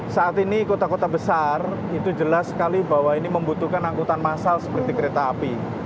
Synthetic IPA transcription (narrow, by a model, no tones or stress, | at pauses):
saat̪inikot̪akot̪abəsarit̪ud͡ʒəlaskalibawainiməmbut̪ukanaŋkut̪anmasalsə̥pərt̪ikəɾet̪aːpi